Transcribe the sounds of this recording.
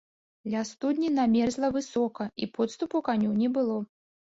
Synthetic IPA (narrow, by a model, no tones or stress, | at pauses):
d̪lʲast̪ud̪ʲnʲinamʲɛrzlˠɐvɨsɔkɐipɔt̪st̪upukanʲunʲɛbɨlˠɔ